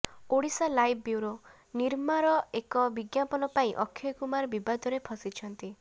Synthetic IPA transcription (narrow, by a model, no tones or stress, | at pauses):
oɽisalajbbjuwɾo | niɾmaɾɔekɔbiɡjapɔnɔpaĩʔɔkʰːjɔkumaɾbibad̪ʱɔɾepʰɔsit͡ʃʰɔnt̪i